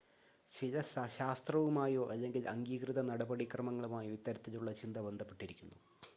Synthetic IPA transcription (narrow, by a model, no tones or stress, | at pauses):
ɕilɐɕaːst̪rɐʋumaːjo̞ːʔɐlːe̞ŋɡilʔɐŋɡiːkrɨðɐnɐɽɐbɐɽikrɐmɐŋːɐɭumaːjoit̪ːɐɾɐt̪ːiluɭːɐt͡ɕind̪ɐbe̞nd̪ʱɐpːeʈːiɾikʲːunːu